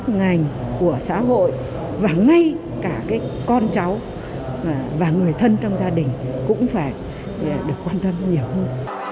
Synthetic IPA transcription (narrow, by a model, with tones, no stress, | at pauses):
t̚ŋa˨˩jŋ̟ku˧˩əsa̰ː˧˥ɦo̰˧˨j | vaː˨˩ŋa˧j | kaː˧˩kaː˨˦jkɔ˧nt͡ɕa˨˦w | vaː˨˩ŋɨ˨˩əjt̪ʰə˧nt͡ɕɔ˧wŋ͡mzaː˧ɗï˨˩ŋ̟kʊ̰˧˥ŋ͡mfaː˧˩j | ɗɨ˨˩əkːwaː˧nt̪ə˧mɲi˨˩əwhəː˧n